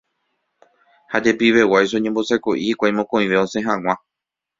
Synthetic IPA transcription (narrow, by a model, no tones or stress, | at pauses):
had͡ʒe̞piʋe̞wajs̬oõɲẽmbo̞sajko̞ʔihikʷaj̃mõkõ̞ĩʋe̞õ̞sẽ̞ɦãŋ̃ã